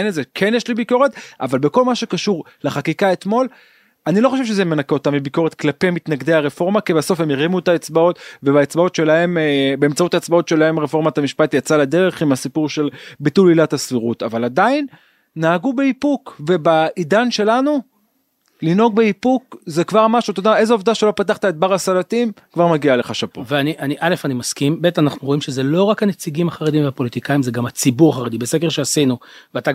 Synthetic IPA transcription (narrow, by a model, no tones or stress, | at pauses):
enezekʰenjeʃlibiko̞ʁe̞t̪avalbe̞ko̞lmaʃekaʃuʁ | leχakikaet̪mo̞l | anilo̞χo̞ʃevʃ̬ezemenakeo̞tamibiko̞ʁe̞t̪klapemit̪naɡd̪e̞jhaʁefo̞ʁmakibaso̞fhe̞miʁimuet̪aet͡sbao̞tve̞baet͡sbao̞tʃe̞lahe̞mbeːmt͡sautaet͡sbao̞tʃe̞lahe̞mʁefo̞ʁmat̪amiʃpat̪jat͡salad̪e̞ʁe̞χimasipuʁʃe̞lbitulilathasfiʁutavaladainː | aaɡubeipukve̞baidanʃe̞lanu | lino̞ɡbeipukzekvaʁmaʃut̪od̪ae̞zeovd̪aʃe̞lo̞pataχt̪aet̪̚baʁasalatimkvaʁmaɡialeχaʃapoveaniʔaniʔale̞fanimaskimbe̞tanaχnuʁoimʃezelo̞ʁakhanet͡siɡimaχaʁed̪imveapo̞lit̪ikaimzeɡamhat͡sibuʁaχaʁed̪ibesekeʁʃeasinuveata